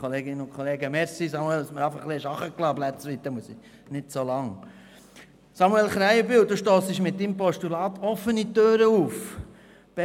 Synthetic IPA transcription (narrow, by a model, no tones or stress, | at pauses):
kʰoleːɡɪnəʊnkχoleːɡəmɛɾsisɑmuɛləsməɾɑɪfəχleəʃɑχəklɑːblæt͡sʋit̪əmuəsi | nɪtsolɑŋ | sɑmuɛlχɾæɪəbiwd̪uːʃtoːsɪʃmɪt̚dimpɔʃtulɑːt̪ʰɔfːənitøːɾəuf | b̥ɛ